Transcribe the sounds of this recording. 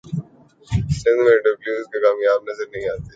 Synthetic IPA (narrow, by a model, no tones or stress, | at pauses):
sɪ̃nd̪mẽɖɐbljuːzkekaːmjaːbnɐzəɾnɐɦĩaːt̪e